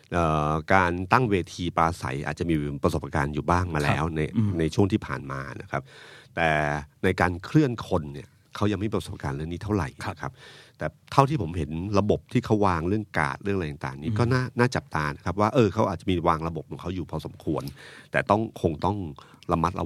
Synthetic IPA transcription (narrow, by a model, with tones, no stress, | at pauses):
ʔəː˨˩kaː˧nt̪a˥˩ŋweː˧t̪ʰiː˧paː˧sa̰˩˦jʔa̰ː˨˩t̪̚t͡ɕa˨˩miː˧pɾa˧so˨˩p̚kaː˧njuː˨˩baː˥˩ŋmaː˧lɛ̰ː˦˥wna˧jna˧jt͡ɕʰu˥˩əŋt̪ʰiː˥˩pʰa̰ː˨˩nma̰ː˧na̰˦˥kʰa˦˥p̚t̪ɛː˨˩na˧jkaː˧nkʰɾɯ˥˩ənkʰo˧nːi˥˩ɐ | kʰa˦˥wja˧ŋma˥˩pso˨˩p̚kaː˧nɾɯ˥˩əŋniː˦˥t̪ʰa˥˩wɾa̰˨˩jna˦˥˦kʰa˦˥p̚t̪ɛː˨˩t̪ʰa˥˩t̪ʰiː˥˩pʰo˩˦mɦe˩˦nɾa˧bo˨˩p̚t̪ʰiː˥˩kʰa˦˥wwaː˧ŋɾɯ˥˩əŋka̰ː˨˩t̪̚ɾɯ˥˩ŋa˧jt̪a˨˩ŋt̪aː˨˩ŋniː˦˥kɔː˥˩naː˥˩naː˥˩t͡ɕa˨˩p̚t̪aː˧na˦˥kʰa˦˥p̚waː˥˩ʔɤː˧kʰa˦˥wʔaː˨˩t̚t͡ɕa˨˩miː˧waː˧ŋɾa˧bo˨˩p̚ʰːɔ˨˩˦ŋkʰa˦˥wjuː˨˩pʰɔː˧so˩˦mkʰu˧ənt̪ɛː˨˩t̪ɔ˥˩ŋkʰo˧ŋt̪ɔ˥˩ŋ | la˧mːa˦˥t̪̚la̰˧